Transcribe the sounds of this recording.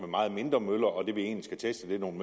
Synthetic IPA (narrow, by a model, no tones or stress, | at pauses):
memɑ̈ːð̞̩ˠme̝nd̥ʁɐmøl̰ɐɒ̽d̥e̝ʋie̝̰ːnlisɡ̥æt͡sʰesd̥əd̥e̝no̝ːnm